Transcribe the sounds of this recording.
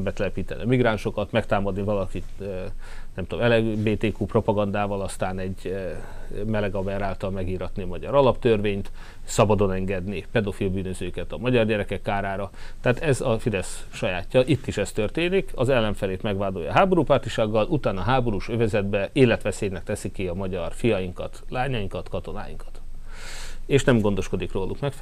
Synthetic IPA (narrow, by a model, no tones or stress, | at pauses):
mbɛt̪ɛlɛpiːt̪ɛnḭɒmiɡɾaːnʃo̞kɒt̪mɛkt̪aːmɒd̪nivɒlɒkit̪ | ø | nɛmt̪o̰mɛlɛbeːt̪eːkuːpro̞pɒɡɒnd̪aːvɒlɒst̪aːnɛɟː | mɛlɛɡɒbɛɾaːlt̪ɒlmɛɡiːɾɒt̪niɒmɒɟɒ̰ɾɒlɒpt̪ørveːɲt̪ | sɒbɒd̪o̞nɛŋɡɛd̪nipɛd̪o̞filbyːnøzøːkɛt̪ɒmɒɟɒrɟɛɾɛkɛkːaːɾaːɾɒt̪aːt̪ɛzɒfid̪ɛs | ʃɒjaːcːɒʔit̪ːiʃɛst̪ørt̪eːnikʰɒzɛlːɛɱfɛleːt̪mɛɡʋaːd̪o̞jɒ̰ɦaːbo̞ɾuːpart̪iʃaːɡːɒlʔut̪aːnɒɦaːbo̞ɾuːʃøvɛzɛd̪bɛilːɛt̪ʋɛseːjnɛk̚t̪ɛsikiɒmɒɟɒrfijɒjiŋkɒt̪laːɲɒjiŋkɒt̪kɒt̪o̞na̰ːjḭŋkɒ̥t̪ | eːʃnɛmɡo̞nd̪o̞ʃko̞d̪ikroːlukmɛkf